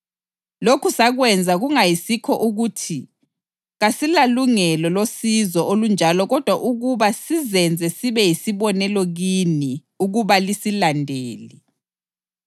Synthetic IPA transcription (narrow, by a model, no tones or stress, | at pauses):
lokʰusaɣwɛnd͡zʱaɣuŋajisikʰɔʔuɣutʰi | ɣasilaluŋɛlɔlosizɔolund͡ʒʱalɔɣɔd̥ʱwaʔuɣuβasizɛnd͡zʱɛsiβɛjisiβɔnɛlɔɣini | uɣuβalisilandʱeːli